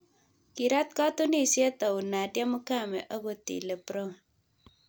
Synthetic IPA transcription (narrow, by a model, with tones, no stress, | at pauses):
ki˨ɾa˦t̚ka˦tu˦ni˦˨sje˦ta˨u˨na˨dja˦mu˦ka˦˨mḛ˨ʔa˦ko˨tḭ˨le˨pɾo˦